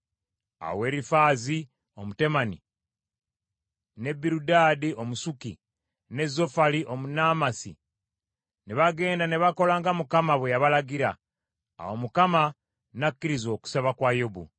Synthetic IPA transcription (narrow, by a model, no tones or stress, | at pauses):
a̰we̞ːɾifaːzi | o̞mute̞mani | ne̞bːiɾudaːdio̞musuki | ne̞zːo̞faliʔo̞munaːmasḭ | neβaɡe̞ːndaneβako̞laːŋɡamukamaβwejaβalaɡiɾa̰ː | womukama | nakːiɾizo̞ːku̥seβakwajobṵ